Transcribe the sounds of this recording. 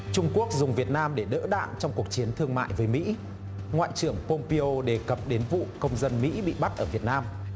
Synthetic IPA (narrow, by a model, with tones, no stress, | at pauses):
t͡ɕʊ˧ŋ͡mku˦˥ək̚zʊ˨˩ŋ͡mvi˨˩ət̚naː˧mɗe˧˩ɗə̰ː˧˥ɗa̰ː˧˨nt͡ɕɔ˧wŋ͡mku˨˩ək̚t͡ɕi˨˦ənt̪ʰɨ˧əŋma̰ː˧˨jvəː˨˦jmḭ˧˥ | ŋwa̰ː˧˨jt͡ɕɨ˧˩əŋpo˧mpi˧ʔo˧ɗe˨˩kə˨˩p̚ɗe˨˦nvṵ˧˨kə˧wŋ͡mzə˧nmḭ˧˥ɓḭ˧˨ɓa˦˥t̚ʔəː˧˩vi˨˩ət̚naː˧m